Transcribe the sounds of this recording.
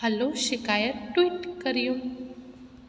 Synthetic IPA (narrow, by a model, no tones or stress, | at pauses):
əloʃɪkajət̪ːwiʈkəɾjũ